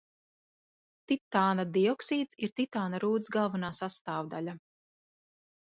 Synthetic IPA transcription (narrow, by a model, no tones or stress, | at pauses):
t̪it̪ːaːnad̪iɔksiːt̪siɾt̪it̪aːnaɾuːd̪sɡalˠvanaːsast̪aːvd̪alʲa